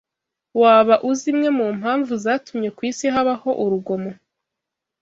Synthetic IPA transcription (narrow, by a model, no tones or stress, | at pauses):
waːβaʔuzimŋe̞muːm̥haːɱvuzaːtumɲe̞kwiːsiɦaβaho̞ʔuɾuɡo̞mo̞